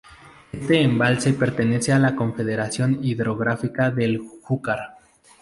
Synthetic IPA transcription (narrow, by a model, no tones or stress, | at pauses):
est̪e̞ːmbalse̞pe̞ɾt̪e̞ne̞se̞alako̞ɱfe̞ðeɾasjo̞niðɾo̞ɣɾafikaðe̞lxukaɾ